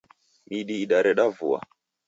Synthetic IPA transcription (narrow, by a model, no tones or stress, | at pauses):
miɗiːɗaɾɛɗavṵa̰